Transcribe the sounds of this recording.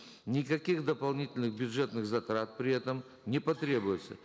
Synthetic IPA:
nʲɪkɐkʲixd̪əpɐlˠnʲitʲɪlʲnɨxbʲjʊdʐɛt̪nɨxzɐt̪ɾat̪̚pɾʲɪɛt̪əm | nʲɪpɐt̪ɾʲe̞bʊjɪt̪sə̰

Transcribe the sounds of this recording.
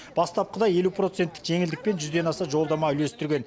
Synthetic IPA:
b̥ɑst̪ɑp̚qəd̪ɑje̞lupro̞t̪se̞nt̪ːɪ̥kʒe̞ŋɪld̪ɪk̚pe̞nʒʏzd̪e̞nɑsɑʒo̞lˠd̪ɑmɑʏle̞st̪ɪɾɡʲe̞n

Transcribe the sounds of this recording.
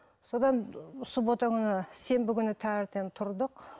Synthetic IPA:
sod̪ɑnsubo̞t̪ɑkʲʰʏnɪse̞mbɪkʲʏnɪt̪ʰæɪɾt̪e̞nt̪ʰʊɾd̪əq

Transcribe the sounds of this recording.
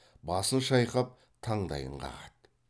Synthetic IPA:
bɑsənʃɑjqɑp̚ | t̪ʰɑɴd̪ɑ̰jə̰ɴqɑ̰ʁɑt̪

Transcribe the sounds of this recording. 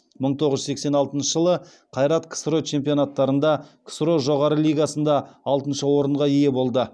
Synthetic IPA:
məɴt̪ʰoʁəzʒsekse̞nɑlˠt̪ənʃəʒəlˠə | qʰɑjɾɑt̪kʰsɾot͡ʃʰe̞mpijo̞nat̪ːɑɾənd̪ɑkʰə̥sɾoʒo̞ʁɑɾəlˠijɡɑsənd̪ɑɑlˠt̪ənʃəwo̞ɾəɴʁɑije̞bo̞lˠd̪ə

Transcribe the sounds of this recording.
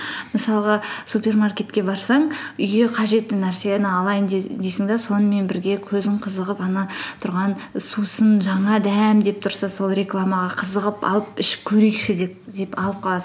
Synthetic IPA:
məsɑlˠəʁɑsupʲe̞rmarkʲe̞t̪kʲe̞bɑɾsɑɴʏjɡʲe̞qʰɑʒe̞t̪ːɪnæɾse̞nɑlˠɑjənd̪ed̪ejsɪŋd̪ɑso̞nəme̞nbɪɾɡʲe̞kʲʰɵzɪɴqʰəzəʁəpɑnɑt̪ʰʊɾʁɑnsusənʒɑɴɑd̪æmd̪e̞p̚t̪ʰʊɾsɑsolˠɾe̞klˠamɑʁɑqʰəzəʁəpɑ̰lˠəpɪʃɪ̥p̚kʲʰɵɾejkʃɪd̪e̞p̚d̪e̞pɑlˠəp̚qʰɑlˠɑsə

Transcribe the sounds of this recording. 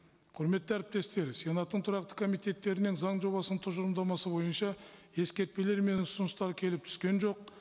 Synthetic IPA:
qʰʊɾme̞t̪ːɪæɾɪp̚t̪e̞st̪e̞ɾsijenɑt̪ːəɴt̪ʰʊɾɑq̚t̪ə̥kʰo̞mijt̪e̞t̪ːe̞ɾɪnɪŋzɑɴʒo̞βɑsəɴt̪ʰʊʒʊɾəmd̪ɑmɑsəbo̞jənʃɑ | e̞skʲe̞ɾt̪̚pe̞le̞ɾme̞nʊsʊnʊst̪ɑɾkʲʰe̞lɪp̚t̪ʰʏ̥skʲe̞nʒo̞q̚

